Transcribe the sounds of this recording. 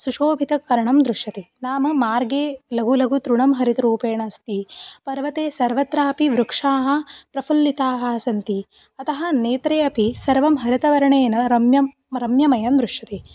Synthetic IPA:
suʂoːbʱit̪ɐkːɐɾɐɳɐmd̪ɾuʂɐt̪e | naːmɐmaːɾɡeːlɐɡulɐɡʱut̪ɾuɳɐmɦɐɾit̪ɐɾuːpeːɳɐst̪ipɐɾʋɐt̪eːsɐɾʋɐt̪ɾaːpiʋɾukʂaːɦɐ̆pɾɐfʰulːit̪aːɦɐɐsɐnt̪i | ɐt̪ɐɦɐneːt̪ɾeːɐpisɐɾʋɐmɦɐɾit̪ɐʋɐɾɐɳeːnɐɾɐmjɐm | ɾɐmjɐmɐjɐmd̪ɾuʂjɐt̪e

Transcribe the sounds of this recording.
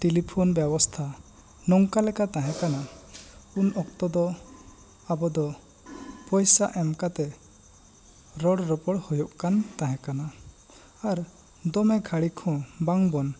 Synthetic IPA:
ʈilipʰonbjɛbɔst̪ʰa | nɔŋkalɛkat̪aɦɛ̃kana | unɔk̚t̪ɔd̪ɔ | abɔd̪ɔ | pɔjsaʔɛmkat̪ɛ | ɾɔɽɾɔpɔɽhujɔʔkant̪ãɦɛ̃kana | aɾ | d̪ɔmɛɡʱaɽikʰɔ̃baŋbɔn

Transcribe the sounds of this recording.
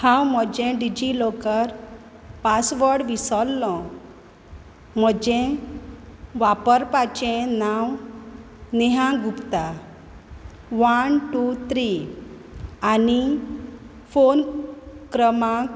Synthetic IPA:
hãwm̤əd͡ʑɛ̃ɖid͡ʑilokəɾ | pasʋəɽʋisɔlːɔ̃ | m̤əd͡ʑɛ̃ | ʋapəɾpat͡ɕɛ̃naw | neɦãɡupt̪a | ʋənʈut̪ʰɾi | ani | fonkɾəmak

